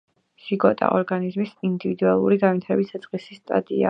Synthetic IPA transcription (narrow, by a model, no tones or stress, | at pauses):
siɡɔt̪ʼa̰ʔɔɾɡanizmisind̪ivid̪ualˠṵɾiɡanvit̪ʰaɾɛbisat̪sʼqʼisist̪ʼa̰t̪ʼia̰